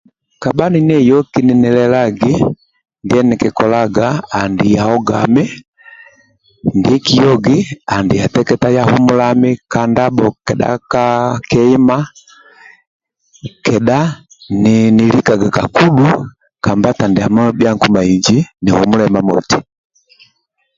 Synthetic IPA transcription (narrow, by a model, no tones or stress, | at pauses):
kabaninɛjɔkininɛlɛlaɡi | ndiɛnikikɔlaɡaːndijahɔɡa̰mɛ | ndikijɔɡiandijatɛkɛtajahumulamikandabɔkɛɗa̰kakɛima | kɛɗa | ninilikaɡakakuɗu | kambatandiamɔbjaŋkumaiɲd͡ʒinihumulɛmamɔ̰ti̥